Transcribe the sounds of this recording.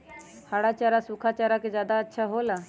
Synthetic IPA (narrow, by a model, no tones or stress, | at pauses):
haːɽaːt͡ʃaːɾasʊkʰat͡ʃaːɾakezjaːd̪aətːʃʰaɦoːlaː